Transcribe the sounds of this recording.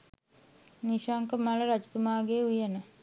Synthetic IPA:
niʃaŋkəmaləɾat͡ʃu̥t̪umaːɡeːujənə

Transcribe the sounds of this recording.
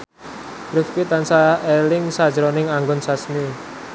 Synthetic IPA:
ɾʊfkit̪ansaelɪŋsḁd͡ʒɾɔnɪŋaŋɡɔnsasmi

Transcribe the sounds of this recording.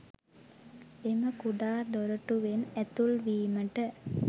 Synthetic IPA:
eməkuɖaːd̪oɾəʈuʋenæt̪ulʋiːməʈə

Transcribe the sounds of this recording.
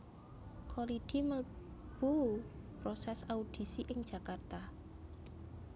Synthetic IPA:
kʰoliɖ̪̥i̤məb̥upɾosɛsaud̪̥i̤siʔɪŋd̥ʒ̥a̤kart̪a

